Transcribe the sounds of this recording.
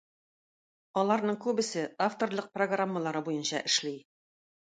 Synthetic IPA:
ɒlˠɑɾnɤɴkʉbɘ̆sɘʔaft̪o̞rlˠɤq̚proɡramːalˠɑɾɤbujɤnɕɑ̰ʔɘ̆ʃlij

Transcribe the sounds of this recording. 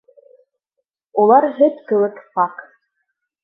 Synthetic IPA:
ulˠɑɾɦɘt̪kɤ̆lˠɤkpɑq

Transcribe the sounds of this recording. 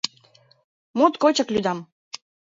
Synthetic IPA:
mut̪kot͡ɕə̆klʲyd̪ɑm

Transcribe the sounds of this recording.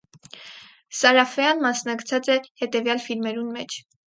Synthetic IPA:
sɑɾɑfɛjɑnmɑsnɑkt͡sʰɑt͡sɛhɛt̪ɛvjɑlfilmɛɾunmɛt͡ʃʰ

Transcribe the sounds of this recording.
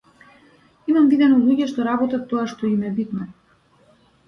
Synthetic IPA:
imamvid̪ɛnɔlˠuɟɛʃt̪ɔɾabɔt̪at̪ːɔaʃt̪ɔimɛbit̪mɛ

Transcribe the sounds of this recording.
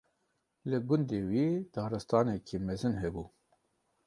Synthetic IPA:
lɨɡʊnd̪eːwiːd̪̥ɑːɾɨst̪ɑːnɛkʰiːmɛzɨnɦɛbuː

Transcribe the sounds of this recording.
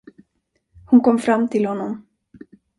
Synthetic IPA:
hʊnkɔmːfɾamːt̪ʰɪlhɔnːɔm

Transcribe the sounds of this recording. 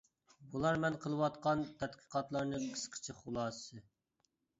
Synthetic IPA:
bulˠɑɾmɛnqʰəlˠɨwɑt̪qɑnt̪ʰɛt̪qʰə̥qʰɑt̪lˠɑɾnɨqʰə̥sqʰə̥t͡ʃʰɪχʊlˠɑːsɨ

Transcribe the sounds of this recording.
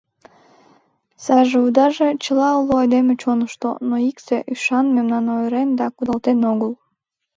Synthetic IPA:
sɑʒeud̪ɑʒet͡ɕəlɑuloɑjd̪emet͡ɕonəʃt̪o̰noikseʔyʃɑnmemnɑnoeɾend̪ɑkud̪ɑlt̪enoɣəl

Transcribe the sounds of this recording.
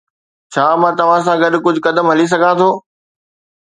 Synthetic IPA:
t͡ɕʰaːmãːt̪ɐʋ̤ãs̬ãɡɐɗkʊd͡ʑʱʊkɐd̪əmɦɐlis̬ɐɡʱãt̪ʰoː

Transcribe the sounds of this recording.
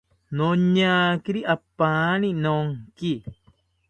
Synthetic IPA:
noɲakiɾiʔapaninoŋki

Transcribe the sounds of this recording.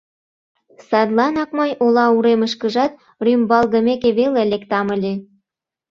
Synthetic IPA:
sɑd̪lˠɑnɑkmɤjʔolɑuɾeməʃkəʒɑt̪̚ | rymbɑlɣə̆mekeβelelekt̪ɑməlʲe

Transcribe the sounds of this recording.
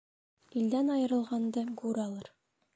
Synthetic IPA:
ild̪ænɒjɤ̆ɾɤ̆lˠʁɑnd̪ɤɡuɾɑlˠɤɾ

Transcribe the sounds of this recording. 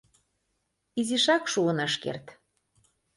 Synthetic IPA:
iziʃɑkʃuənɤʃkḛrt̪

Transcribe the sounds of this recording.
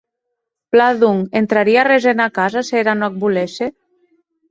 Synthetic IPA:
plaðuŋent̪ɾaɾiarezenakazaseɾanɔk̚bulese

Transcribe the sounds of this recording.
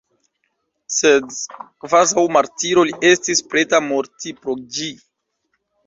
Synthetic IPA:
sedkvazawmaɾtiɾo̞liʔe̞stispɾetamoɾtipɾo̞d͡ʒi

